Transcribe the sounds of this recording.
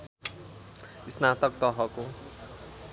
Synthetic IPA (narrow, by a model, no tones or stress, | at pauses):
isnat̪ʌk̚t̪ʌɦʌko